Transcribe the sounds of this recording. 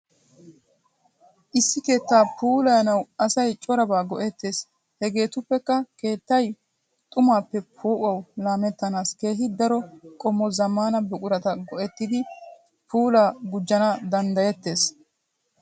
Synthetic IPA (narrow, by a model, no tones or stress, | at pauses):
ʔɪsːɪke̞ːt̪ːaːpuːlɐjɐnɐwɐsɐjt͡ʃʼɔɾɐbaːɡɔʔɛt̪ːe̞ːs | hɛɡe̞ːt̪ʊpːɛkːɐke̞ːt̪ːɐj | t̪ʼʊmaːpːɛpʰoːʔɐwlaːmɛt̪ːɐnaːske̞ːɦɪd̪ɐɾɔkʼɔmːɔzɐmːaːnɐbɛkʼʊɾɐt̪ɐɡɔʔɛt̪ːɪd̪ɪ | pʰuːlaːɡʊd͡ʒːɐnɐd̪ɐnd̪ɐjɛt̪ːe̞ːs